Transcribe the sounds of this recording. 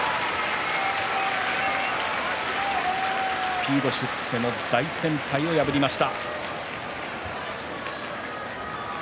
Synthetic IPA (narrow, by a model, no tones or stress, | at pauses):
sɨ̥pʲʰiːd̪o̞ɕɨsse̞no̞d̪̥aisẽ̞mpaio̞jabɯ̟ɾʲimaɕi̥t̪a